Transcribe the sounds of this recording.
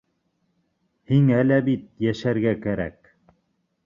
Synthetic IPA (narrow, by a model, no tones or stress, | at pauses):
hiŋælæbit̪jæʃæɾɡækæɾæ̰k